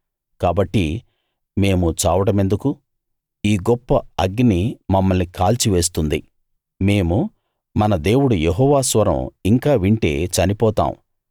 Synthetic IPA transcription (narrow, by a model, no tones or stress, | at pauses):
kaːbɐʈːi | me̞ːmut͡ʃaːʋɐɽɐme̞nd̪uku | iːɡɔpːɐɐɡinimɐmːɐlnikaːlt͡ʃiʋe̞ːs̬t̪und̪i | me̞ːmu | mɐnɐd̪e̞ːwuɽujeɦɔːʋaːsʋɐɾɐ̰miŋkaːʋiɳʈe̞̰ːt͡ʃɐnipɔːt̪a̰ːm̰